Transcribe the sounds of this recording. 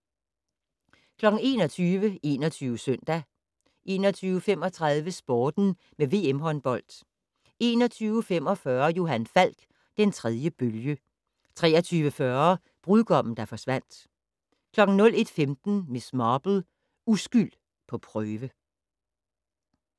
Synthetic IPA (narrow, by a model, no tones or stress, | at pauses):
kʰlɒ̽ɡ̥n̩e̝ːnɒ̽t͡sʰyːʋəe̝ːnɒt͡sʰyːʊəsœn̰d̥æ | ʔe̝̰ːnɒ̽t͡sʰyːʊəfem̰ɒ̽t͡sʰʁɑðˠʋəsb̥ɒːd̥n̩ | meʋe̝ːemɦɒ̽nb̥ɒ̽l̰d̥ | e̝ːnɒ̽t͡sʰyːʊfem̰ɒ̽fɶɐjo̝ɦænfæl̰ɡ̥ | d̥ent͡sʰʁɛð̞ˠjəb̥øljə | t͡sʰʁɛ̰ːɐt͡sʰyːʋəfɶɐ | b̥ʁuðˠɡ̥ɒ̽m̰n̩d̥ɑ̈fɒ̽sʋæn̰d̥ | kʰlɒ̽ɡ̥n̩nɔ̽l̰e̝d̥femd̥n̩mesmɑb̥l̩ | usɡ̥yl̰ | pʰɒ̽pʰʁœːʋə